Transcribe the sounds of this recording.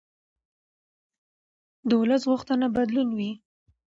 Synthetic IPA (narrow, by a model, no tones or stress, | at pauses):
d̪əwlasɣuxt̪ənabad̪lunwi